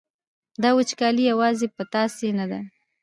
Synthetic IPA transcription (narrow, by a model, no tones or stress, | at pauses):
d̪ɑwʊt͡ʃkɑlijawɑzepət̪ɑsenad̪a